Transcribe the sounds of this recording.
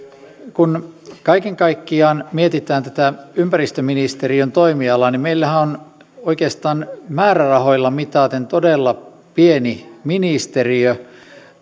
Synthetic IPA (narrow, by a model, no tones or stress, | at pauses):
kunkɑikeŋkɑikːiɑːnmiet̪it̪æːnt̪æt̪æympærist̪øminist̪eɾiønt̪oimiɑlːɑnimmeilːæhæon | oikeːst̪ɑːnmæːrærɑho̞jlːɑmit̪ɑːt̪ent̪odelːɑ | pieniminist̪eriø